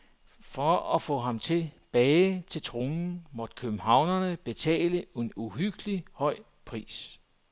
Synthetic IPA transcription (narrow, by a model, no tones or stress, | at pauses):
fɒɒfɔ̰̽ɦɑ̈mt͡sʰe̝b̥ɛːɪt͡sʰe̝lt͡sʰʁonn̩mɒ̽d̥̚kʰøb̥m̩ɦɑ̈ʊnɐnəb̥e̝t͡sʰɛ̰ːləenuɦyɡ̥əlihɒ̽ɪ̰ | pʰʁḭːs